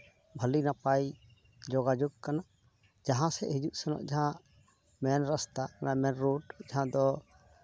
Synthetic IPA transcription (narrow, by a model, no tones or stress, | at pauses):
bʱəlinapaj | d͡ʒɔɡad͡ʒuɡkana | d͡ʒaɦãsɛ̰ʔhid͡ʒuʔsɛnɔ̰ʔd͡ʒaɦãʔ | mɛnɾast̪akanamɛnɾuʈd͡ʒaɦãd̪ɔ